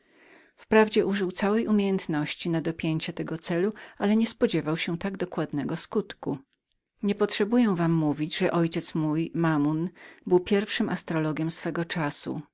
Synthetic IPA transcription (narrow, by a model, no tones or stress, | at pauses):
fpɾavd͡ʑɛʔuʐɘwt̪sawɛjumʲjejɛnt̪nɔɕt͡ɕinad̪ɔpʲjeɲt͡ɕɛt̪ɛɡɔt̪sɛlualɛɲɛspɔd͡ʑɛvawɕɛt̪aɡd̪ɔkwad̪nɛɡɔskut̪kṵ | ɲɛpɔtʂɛbujɛw̃vamːuvʲid͡ʑʐɛʔɔjt͡ɕɛt̪smujmamunbɘwpʲjɛɾfʂɘmʔast̪ɾɔlɔɡʲjɛmsfɛɡɔt͡ʂasṵ